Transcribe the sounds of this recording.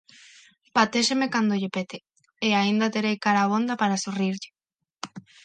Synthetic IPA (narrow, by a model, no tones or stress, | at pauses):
pat̪eʃemekand̪oʎepet̪e | eaind̪at̪eɾejkaɾaβond̪apaɾasuriɾʎɪ̥